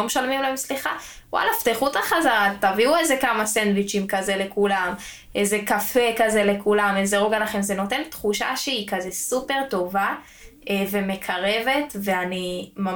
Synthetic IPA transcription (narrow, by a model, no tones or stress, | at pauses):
meʃalmimlaemsliχa | wa̰laft̪eχutaχazaʁataviuezekamasendwit͡ʃimkazele̞kulam | ʔezekafekazele̞kulamezeʁoɡalaχemze̞no̞tent̪χuʃa̰ʃeikazesupe̞ʁto̞va | eve̞me̞kʰaʁe̞ve̞tveanima